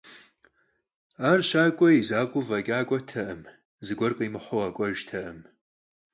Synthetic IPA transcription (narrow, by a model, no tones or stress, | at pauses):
arʃʷakʷʼɐizaːkʷʼʊvakʲʼaːkʷʼɔtʰɐʔəm | zɨɡʷɔrkʼɐjmɨħʷowakʷʼɔʒtʰɐʔɨm